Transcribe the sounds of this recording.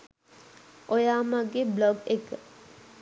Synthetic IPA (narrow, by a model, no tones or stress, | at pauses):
ʔojaːmaɡebloɡekə